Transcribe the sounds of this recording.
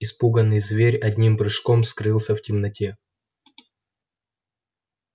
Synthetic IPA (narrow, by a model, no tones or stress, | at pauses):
ɪspuɡənːɨjzvʲeɾʲɐdʲnʲimbɾɨʂko̞mskɾɨlˠsʲəftʲɪmnɐtʲe